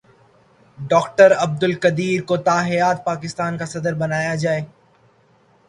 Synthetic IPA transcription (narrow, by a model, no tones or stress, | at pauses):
ɖɔːkʈəɾɐb̚d̪ʊlkɐd̪iːɾkot̪aːɦɪjaːt̪̚paːkɪst̪aːnkasɐd̪əɾbɐnaːjad͡ʒaːeː